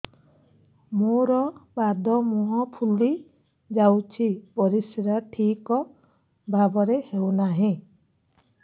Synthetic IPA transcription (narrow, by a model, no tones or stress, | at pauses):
moɾɔbad̪ʱɔmuɦɔpʰuli | d͡ʒawt͡ʃʰipɔɾisiɾaʈʰikɔ | bʱabɔɾehewnaɦĩ